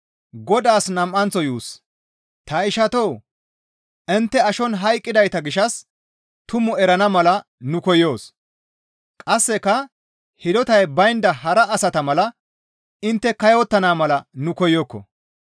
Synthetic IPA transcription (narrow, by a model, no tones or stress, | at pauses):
ɡɔd̪aːsnɐmʔɐnt͡sːɔjuːs | t̪ɐɪʃɐt̪ow | ʔɪnt̪ːɛɐʃɔnɦɐjkʼːɪd̪ɐjt̪ɐɡɪʃɐs | t̪ʊmɔɛɾɐnɐmɐlɐ | nʊkɔjo̞ːs | kʼɐsːɛkːɐ | hɪd̪ɔt̪ɐjbɐjnd̪ɐɦɐɾɐːsɐt̪ɐmɐlɐ | ɪnt̪ːɛkɐjowt̪ːɐnaːmɐlɐnʊkɔjokːɔ̰